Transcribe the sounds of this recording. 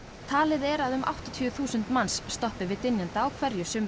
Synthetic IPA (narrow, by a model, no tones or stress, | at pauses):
t̪ʰaːlɪðɛɾaðʏmʔa̰wht̪ɔt̪ʰiθuːsʏnt̪mansːt̪ɔhpɪvɪt̪ɪnjant̪aːwkʰvɛɾjʏsʏm